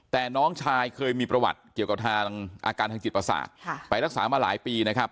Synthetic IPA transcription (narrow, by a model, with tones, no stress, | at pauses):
t̪ɛː˨˩nɔː˦˥ŋt͡ɕʰaː˧jkʰɤː˧jmiː˧pɾa˧wa̰˨˩t̪̚ki˨˩ka˨˩p̚t̪ʰaː˧ŋʔa̰ː˧kaː˧nt̪ʰaː˧ŋt͡ɕi˨˩t̪pɾa˧sa̰ː˨˩t̪̚ʰpa˧jɾa˦˥k̚saː˩˦maː˧la̰ː˩˦jpiː˧na˦˥kʰa˦˥p̚